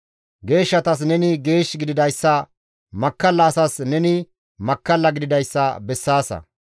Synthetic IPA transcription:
ɡe̞ːʃːɐt̪ɐs̬nɛnɪɡe̞ːʃɡɪd̪ɪd̪ɐjsːɐ | mɐkːɐlːɐːsɐsnɛnɪ | mɐkːɐlːɐɡɪd̪ɪd̪ɐjsːɐbɛsːaːsɐ̰

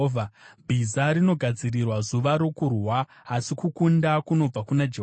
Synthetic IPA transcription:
vʱabʱizaɾino̞ɡʱad͡zirirwazuʋaɾo̞kurwaː | sikukundakuno̞b͡vakunad͡ʒeɦ

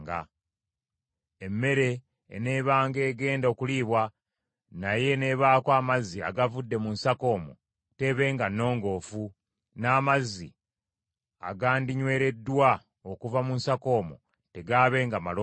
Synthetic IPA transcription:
ɡa̰ | emːe̞ɾe̞̰ː | ne̞ːβaːŋɡe̞ːɡe̞ːndo̞kuliːβwa | naje̞ne̞βaːkwaːmazia̰ɡavudːe̞munsako̞ːmo̰ | te̞βe̞ːŋɡanːo̞ːŋɡo̞ːfu | naːmazi | a̰ɡaːndiɲwe̞ːɾe̞dːwa | okuvamunsako̞ːmo̰ | te̞ɡaːβe̞ːŋɡamalo

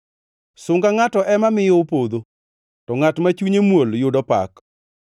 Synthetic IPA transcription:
sʊŋɡaŋatɔʔɛmamɪjɔpod̪o | tɔŋatmat͡ʃuɲemwoljʊdɔpa̰k

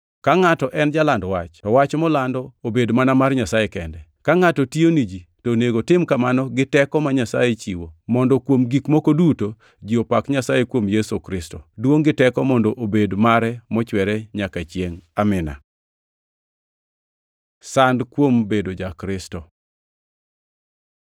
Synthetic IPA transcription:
kaŋatɔʔɛnd͡ʒalandɔwat͡ʃtɔwat͡ʃmɔlandɔobedmanamarɲasajekɛndɛkaŋatɔtionid͡ʒitoneɡotɪmkamanɔɡɪtɛkɔmaɲasa̰jet͡ʃiwomɔndɔkwomɡikmokoduto | d͡ʒiopakɲasajekwomjesukɾɪstɔdwoŋɡɪtɛkɔmɔndɔʔobedmaɾɛmɔt͡ʃwɛɾɛɲakat͡ʃjeŋamɪna̰ | sandkwombedod͡ʒakɾɪstɔ

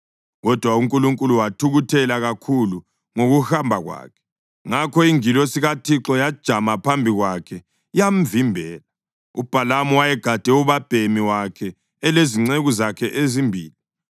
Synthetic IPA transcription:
ɣɔd̥ʱwauŋkʼuluŋkʼuluwatʰuɣutʰɛlaɣakʰulu | ŋoɣuhambʱaɣwa̰ːkʰɛ̥ | ŋakʰɔiŋilɔsiɣatʰiǁɔjad̥ʒ̥ʱamapʰambʱiɣwakʰɛ | jam̩vimbʱɛːla | ub̥ʱalamɔwajɛɡ̥ʱad̥ʱɛuβab̥ʱemiwakʰɛː | leziŋ͡ǀeɣuzakʰɛʔezimbʱiːli

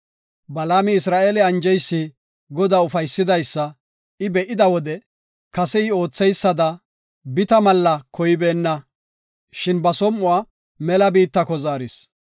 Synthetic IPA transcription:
bɐlaːmɪɪsɾaːʔeːlɛɐnd͡ʒɛjsːɪ | ɡɔd̪aʊfɐjsːɪd̪ɐjsːɐ | ɪbɛʔɪd̪ɐwɔd̪ɛ | kɐsɛɪo̞ːt͡sːɛjsːɐd̪ɐ | bɪt̪ɐmɐlːɐkɔjɪbeːnːɐ | ʃɪnbɐsɔmːʊwa | mɛlɐbiːt̪ːɐkɔzaːɾɪs

